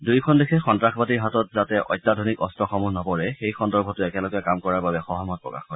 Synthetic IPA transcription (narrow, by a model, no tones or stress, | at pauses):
dujkʰɔndekʰɛxɔntɹaxʰbatiɹɦatɔt̚zatɛʔɔ̰jtːadʱɔnikɔstɔxɔmunɔpɔɹɛxejxɔndɔɹbʱɔtʊɛkɛlɔɡɔjakamkɔɹaɹbabɛxɔɦɔmɔt̚pɹɔ̰ka̰xkɔ